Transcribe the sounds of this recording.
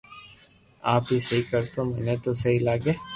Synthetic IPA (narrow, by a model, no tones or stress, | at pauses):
aːpɦisɐɦikɐɾt̪omɛːnet̪osɐɦilaːɡeː